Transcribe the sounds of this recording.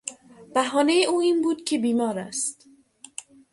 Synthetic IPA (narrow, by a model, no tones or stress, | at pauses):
b̥æɦɒːnejeʔuːiːnbuːd̪kʰebiːmɒːɾæ̰st̪